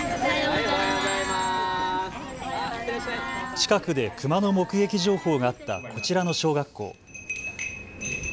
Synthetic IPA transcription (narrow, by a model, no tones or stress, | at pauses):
t͡ɕi̥kakɯ̟d̪e̞kɯ̟mano̞mo̞kɯ̟ɡe̞kʲiʑo̞ːho̞ːɡaat̪ːa̰kʰo̞t͡ɕiɾano̞ɕo̞ːɡakːo̞̰ː